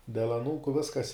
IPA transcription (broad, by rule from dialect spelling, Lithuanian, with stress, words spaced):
dʲɛlˠ ɐˈnuːkʊ ˈʋʲɪskɐs